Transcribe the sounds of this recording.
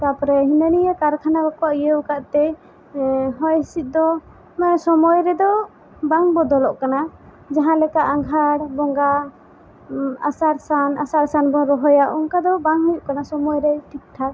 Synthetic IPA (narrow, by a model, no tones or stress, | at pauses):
k̪apɾɛɦinənijakaɾkʰanabakɔwaʔijəwkaʔt̪ɛ | ɦɔjisit̪̚ˀd̪ɔ | sɔmɔjɾɛd̪ɔ | baŋbɔd̪ɔlɔʔkana | d͡ʒaɦãlɛkaʔaŋɡʱaɽbɔŋɡa | a̰saɾsanasaɾsanbɔɾɔɦɔjaʔɔŋkad̪ɔbaŋɦujuʔkanasɔmɔjɾɛʈʰik̚ʈʰa